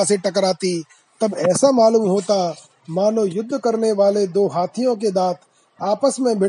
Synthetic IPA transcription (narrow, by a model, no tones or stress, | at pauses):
aseʈɐkɾaːt̪i | t̪ɐbɛːsamaːluːmɦoːt̪a | maːnojʊd̪ʱːkɐɾneʋaːled̪oːɦaːt̪ʰijõk̬ed̪aːt̪ʰ | aːpəsmẽbʱɪ